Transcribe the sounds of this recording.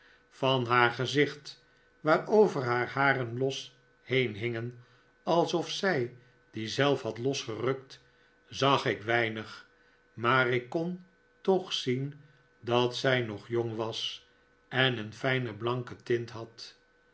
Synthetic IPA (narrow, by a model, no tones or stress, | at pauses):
fɑnɦaːɹχəzɪχt | ʋaːɹowvəɹɦaːɹhaːɾənlɔs | hejnɦɪŋən | ɑlˠsɔfsɛj | d̥izɛlˠfɦɑtlɔsχərɵkt | zɑχɪkʋɛjnəχ | maːrɪkːɔn | tɔχsin | dɑtsɛjnɔχjoŋʋɑs | ɛnənfɛjnəblɑŋkətɪntɦɑt